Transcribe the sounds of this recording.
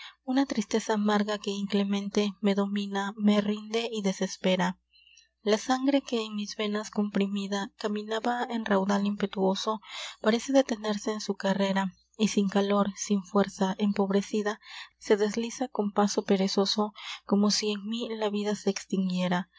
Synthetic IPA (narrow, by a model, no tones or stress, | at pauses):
unat̪ɾist̪e̞saːmaɾɣake̞iŋkle̞mẽ̞nt̪e̞me̞ðo̞mĩname̞rind̪e̞iðe̞se̞spe̞ɾa | lasaŋɡɾe̞ke̞ːŋmizβe̞nasko̞mpɾimiðakamĩnaβae̞nrawðalimpe̞t̪uo̞so̞paɾe̞se̞ðe̞t̪e̞ne̞ɾse̞ːnsukare̞ɾa | isiŋkalo̞ɾsiɱfwe̞ɾsaʔe̞mpo̞βɾe̞siðase̞ðe̞zlisako̞mpaso̞pe̞ɾe̞so̞so̞ko̞mo̞sie̞ŋmilaβiðase̞ːkst̪iŋɡje̞ɾa